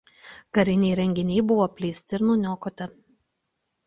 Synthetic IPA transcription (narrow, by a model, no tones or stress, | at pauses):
kɐɾʲɪnʲɛːɾʲɛŋʲɡʲɪnʲiːbʊʋoːpʲlʲiːsʲt̪ʲɪɪɾnʊnʲoːkoːt̪ʲɐ